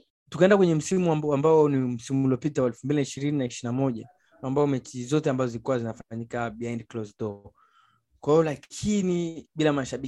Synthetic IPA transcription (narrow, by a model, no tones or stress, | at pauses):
tu̥kɛndakwɛɲɛm̩simuambaɔnim̩simulɔpitawaɛlfumbilinaiʃiɾininaiʃinamɔʄa | ambaɔmɛt͡ʃizɔtɛambazɔzilikuwazinafaɲikaɓiajndklɔzdɔ | kwahiɔlakʰiniɓilamaʃaɓi